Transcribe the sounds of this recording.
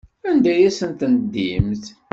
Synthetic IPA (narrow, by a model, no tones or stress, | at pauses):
ænd̪æjæsənt̪ənəd̪ːimθ